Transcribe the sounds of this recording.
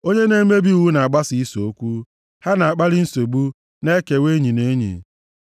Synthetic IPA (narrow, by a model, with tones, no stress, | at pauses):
o˦ɲe˦ne˦me˦bi˦u˨wu˦na˨a˨ɡ͡ba˦si˨i˦so˨o˦kʷu˦ | ha˦na˨a˨k͡pa˦ɾɪ˦n̩˦so˨ɡ͡bu˦ | ne˦ke˨we˦ɲi˨ne˦ɲḭ˨